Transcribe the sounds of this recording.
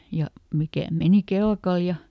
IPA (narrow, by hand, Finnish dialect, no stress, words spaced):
jɑ mikæˑ meni kelkɑl jɑ